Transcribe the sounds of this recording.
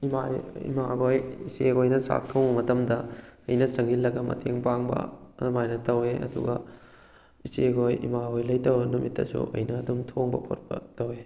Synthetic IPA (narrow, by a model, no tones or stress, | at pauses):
imaɾiḭmaɡojiseojnɐsa̰k̚tʰɐwmɐtɐmdɐɐjnɐsɐŋɡilːɐɡɐmɐ̰tʰeŋpaŋbɐ̰majnɐtɐweʔɐ̰dṵɡɐ | iseɡojḭmaɡojlɐjtɐwɐnumitːɐ̰sṵʔɐ̰jnɐːdumtʰoŋbɐ̰kʰot̚pɐ̰tɐwe